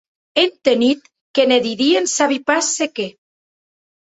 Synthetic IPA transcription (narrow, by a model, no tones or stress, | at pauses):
ent̪enit̪ | keneðiɾiensaβipasːeke